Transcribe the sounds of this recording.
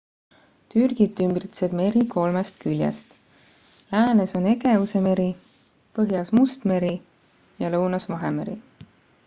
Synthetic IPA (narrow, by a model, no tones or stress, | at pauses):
t̪yrɡ̥it̪ːymbrit̪sed̪̥me̞ɾiko̞lmest̪kylʲjḛst̪ | læːne̞so̞ne̞ɡevuse̞me̞ɾi | pɤɦjɑsmust̪me̞ɾi | jɑlɤwnɑsvɑɦeme̞ɾi